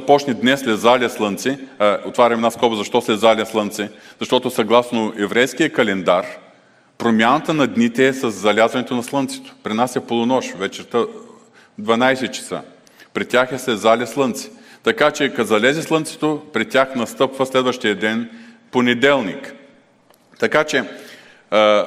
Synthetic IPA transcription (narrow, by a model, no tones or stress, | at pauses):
ɐpɔt͡ʃnɛd̪nɛslɛzalʲɐslˠɤnt̪sɛaot̪vaɾʲɐmɛnaskɔbəzɐʃt̪ɔsɛzalʲɛslˠɤnt̪sɛz̥ɐʃt̪ɔt̪osɐɡlˠasnoʔɛvɾɛjskijəkɐlɛnd̪aɾ | pɾomʲanət̪ənɐd̪nit̪ɛːsɐzːɐlʲazvɐnɛt̪onɐslˠɤnt̪sɛ̥t̪o̥pɾinasɐpolˠʊnɔʃvɛt͡ʃɛɾt̪ə | d̪vɐnajsɛt̪t͡ʃɐ̥sa̰ | pɾɛt̪ʲːaxɛsɛzalʲɛslˠɤnt̪sɛ̥t̪ɐkat͡ʃɛkɐzɐlɛzɛslˠənt̪sɛ̥t̪opɾɛt̪ʲːjaxnɐst̪ɤpvəslɛd̪vəʃt̪ijəd̪ɛn | ponɛd̪ɛlˠnḭk | t̪ɐkat͡ʃɛ